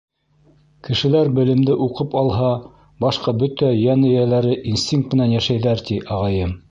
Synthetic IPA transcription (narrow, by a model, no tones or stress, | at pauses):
kɘ̆ʃɘ̆læɾbɘ̆lɘ̆md̪ɘʔuqɤpɑlˠɦɑ | bɑʃqɑbɵt̪æjænɘ̆jælæɾɘʔinsʲt̪ʲiŋk̚t̪mɘ̆nænjæʃæjðæɾt̪iʔɑʁɑjɤm